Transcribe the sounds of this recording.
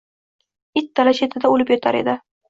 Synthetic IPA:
it̪ːalaʃet̪ʰɪd̪aolɪpjɒt̪ʰa̰ɾed̪ɪ

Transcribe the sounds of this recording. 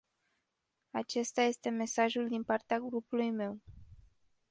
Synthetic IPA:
at͡ʃe̞st̪aje̞st̪e̞me̞saʒuld̪inpart̪eaɡɾupulujme̞w

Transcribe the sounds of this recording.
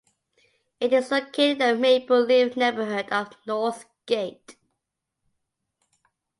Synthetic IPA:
ɪɾɪzðəkʰɪðəmepəlɪvneɪbəɦʊdəvnɔɹθ | ɡ̥eɪt

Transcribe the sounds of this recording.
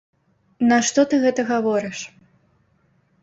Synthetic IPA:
nɐʂt̪ɔt̪ɨɣɛt̪ɐɣavɔɾɨʂ

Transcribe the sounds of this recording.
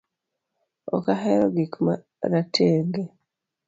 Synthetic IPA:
o̰kaheɾoɡikuma | ɾatʰeːŋɡe

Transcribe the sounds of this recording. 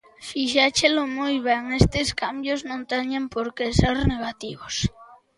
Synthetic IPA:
fiʃat͡ʃelomujβeŋest̪eskambjoznõnt̪eɲempoɾkeseɾneɣat̪iβos

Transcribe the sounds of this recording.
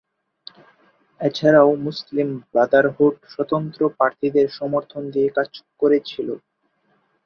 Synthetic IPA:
et͡ɕʰaɾaomuslimbad̪aɾɦoʈʃɔt̪ont̪ɾopɾaɾt̪ʰid̪eɾʃɔmoɾt̪ʰond̪iekat͡ɕkoɾet͡ɕʰilo

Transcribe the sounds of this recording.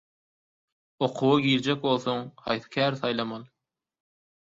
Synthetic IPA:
o̞qʰuwɑɡʲiːɾd͡ʒek̚ʲbo̞lˠθoŋhɑ̰jθɯ̥kʲʰæːɾθɑjlˠɑmɑlˠ

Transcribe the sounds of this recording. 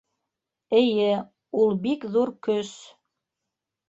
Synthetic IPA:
ɘ̆jɘ | ulˠbikðuɾkɵs

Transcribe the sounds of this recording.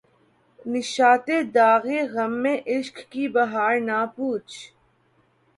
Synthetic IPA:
nɪʃaːt̪eːd̪aːɣeːɣɐmːẽːʔɪʃkkiːbɐɦaːɾnaːpuːt͡ʃʰ

